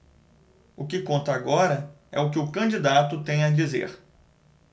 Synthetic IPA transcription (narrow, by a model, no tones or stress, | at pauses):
ʊkɪkõnt̪ɐaɡɔɾɐ | ɛ̰ʊkɪʊkɐ̃d͡ʒid̪at̪ʊt̪ẽj̃ɐd͡ʒizḛɾ